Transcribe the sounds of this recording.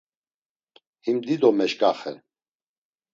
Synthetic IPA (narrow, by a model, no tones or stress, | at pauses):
himd̪id̪ɔmɛʃkʼaχɛ̰